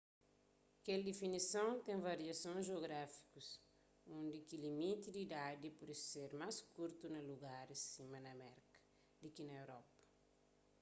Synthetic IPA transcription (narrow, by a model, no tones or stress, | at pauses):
keld̪efinisɐ̃wt̪ẽŋvɐɾiɐsõzʒeoɡɾafi̥kus | ũnd̪ikilimit̪id̪iːd̪ad̪ipuɾseɾmaskuɾt̪unɐluɡaɾɐsimɐnɐmɛɾkɐ̥ | d̪ikinɐewɾɔpɐ̥